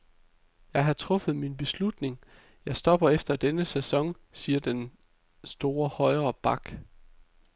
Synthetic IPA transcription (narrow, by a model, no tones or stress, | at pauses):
jɑ̈ɪɦɑ̈t͡sʰʁɔ̽fð̞̩ˠminb̥e̝slud̥ne̝ŋ | jɑ̈ɪsd̥ɒ̽b̥ɐefd̥ɐd̥enəsæsɒ̽ŋ | siːɐd̥en | sd̥o̝ːɐhɒ̽ɪʁɐːb̥ɑ̈ɡ̥